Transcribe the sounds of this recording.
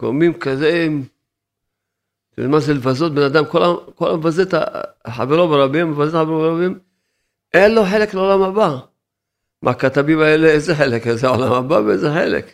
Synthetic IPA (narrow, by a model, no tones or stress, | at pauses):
ɡ̥oʁmimkazeim | manzelvazot̪̚benad̪amkolakola̰mevazet̪a̰ħa̰veʁobeʁabimːevazet̪aħaveʁobeʁabim | ʔenloħe̞lekleolamhaba | mʔakat̪avimaeleezeħelekezeaolamabaveezeħḛlḛk